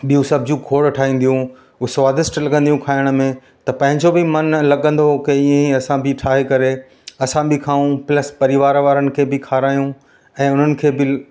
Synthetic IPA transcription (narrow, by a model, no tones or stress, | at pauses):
ɓijũsɐbʱd͡ʑũkʰoːɽʈʰaːɦĩːn̆d̪ijũ | sʋaːd̪ɪsʈlɐɠə̃nd̪ijũkʰaːɪɽ̃̆mẽ | t̪ɐpɐ̃ɦɪ̃ɲd͡ʑobɪmɐnlɐɠə̃nd̪oɦkeiə̃iɐsãbɪʈʰaːɦekɐɾe | ɐsãbʱɪkʰaːũplɐspɐɾɪʋaːɾʋaːɾənɪ̆kʰeːbɪkʰaːɾaːjũ | ɛ̃ːʊn̤ənɪ̆kʰeːbɪ